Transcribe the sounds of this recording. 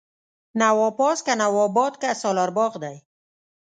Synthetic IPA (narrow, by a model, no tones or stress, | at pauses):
nawɔpɔskanawɔbɔt̪kasɑlɑɾbɑɣd̪aj